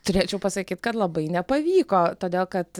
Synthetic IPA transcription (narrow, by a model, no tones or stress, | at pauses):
t̪ʊɾʲeːt͡ʃʲɛʊpɐsɐkʲiːt̪kɐt̪lˠɐbɐɪnʲɛpɐʋʲiːkoːt̪oːd̪ʲeːlˠkɐt̪